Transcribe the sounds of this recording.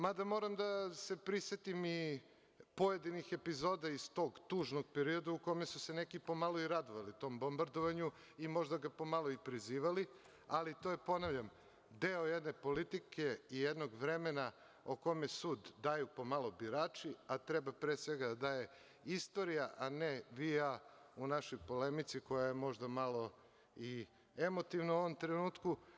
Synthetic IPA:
mad̪amo̞ɾamd̪ase̞pɾisʋet̪imi | po̞je̞d̪inixe̞pizo̞ːd̪aist̪o̞ːɡt̪uːʒno̞ɡpeɾio̞d̪auko̞mesuse̞ne̞kipo̞malˠoiɾad̪oʋalit̪o̞ːmbo̞mbaɾd̪oʋaɲu | imo̞ʒd̪aɡapo̞malˠo̞ipɾiziːʋali | alit̪o̞jepo̞naʋʎʲam | d̪eojed̪ne̞po̞lit̪ikʰe̞ijed̪no̞ɡʋɾe̞me̞na | oko̞me̞suːd̪ːajupo̞malˠo̞biɾaːt͡ʃiat̪ɾebapɾeːsʋe̞ɡad̪ad̪aːje | ist̪o̞ɾijaʔaneʋiaunaʃojpo̞lemit̪siko̞jajemo̞ʒd̪amalˠo̞ | i | emo̞t̪iʋnauo̞ʋomt̪ɾenuːt̪ku

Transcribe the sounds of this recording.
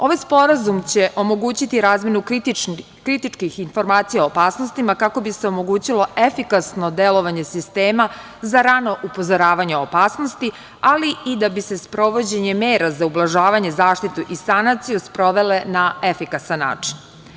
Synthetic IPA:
o̞ʋajspo̞ɾazumt͡ɕe̞ʔo̞mo̞ɡuːt͡ɕit̪iɾaːzmʲje̞nu | kɾit̪it͡ʂkixinfo̞ɾmaːt̪sijaoopaːsno̞st̪imakako̞biseo̞mo̞ɡuːt͡ɕilˠo̞efikasno̞d̪e̞lo̞ʋaɲe̞sist̪e̞ːma | zaɾano̞ʔupo̞zoɾaːʋaɲeopaːsnost̪i | aliid̪abise̞spɾo̞ʋo̞d͡ʑe̞ɲe̞meːɾazaublˠaʒaːʋaɲe̞zaːʃt̪it̪uʔisanat̪sijuspɾo̞ʋe̞le̞naefikasanːa̰ːt͡ʂin

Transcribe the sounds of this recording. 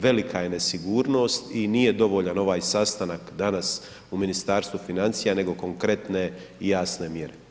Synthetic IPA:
ʋe̞likʰaje̞ne̞siɡuːɾno̞ːst̪inije̞d̪o̞ʋo̞ʎano̞ʋaːjsast̪anakd̪anas | uminist̪aːɾst̪ʋufinant̪sijane̞ɡo̞ko̞ŋkɾe̞t̪ne̞ijaːsne̞mje̞ɾe

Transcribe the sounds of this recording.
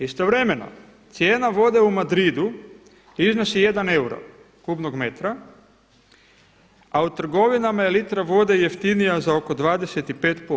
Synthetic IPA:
ist̪o̞ʋɾe̞me̞no̰ | t̪sje̞ːnaʋo̞d̪e̞umad̪ɾid̪u | izno̞sije̞d̪ane̞uɾa̰ | kubno̞ɡme̞t̪ɾa | aut̪r̩ɡo̞ʋinamaelit̪ɾaʋo̞d̪e̞je̞ft̪inijazao̞ko̞d̪ʋaːd̪ese̞t̪ipe̞ːt̪po

